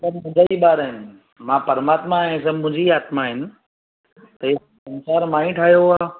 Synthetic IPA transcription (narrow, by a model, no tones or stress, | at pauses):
sɐbmʊ̃d͡ʒaiɓaːɾaɦɪnɪ | mãːpɐɾmaːt̪mãs̬ɐbmʊ̃ɦɪ̃ɲd͡ʑiaːt̪mãɦɪnɪ̆ | t̪ɐɪ | sɐnsaːɾmãːĩʈʰaːɦjoɦaː